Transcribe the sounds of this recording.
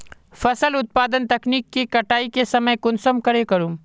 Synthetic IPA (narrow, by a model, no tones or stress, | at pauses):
fɐsəlʊt̪̚paːd̪ənt̪ɐkniːkːikɐʈaːikesɐməjkʊnsəmkɐɾekɐɾũːm